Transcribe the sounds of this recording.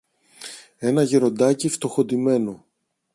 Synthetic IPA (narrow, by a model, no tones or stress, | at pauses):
e̞nɐʝeɾo̞nd̪ɐcift̪o̞xo̞t̪ime̞no